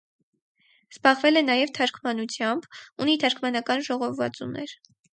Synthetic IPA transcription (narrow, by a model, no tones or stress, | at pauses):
z̥bɑʁvɛlɛnɑjɛvt̪ʰɑɾkʰmɑnut͡sʰjɑmbunit̪ʰɑɾkʰmɑnɑkɑnʒɔʁɔvvɑ̰t͡sunɛɾ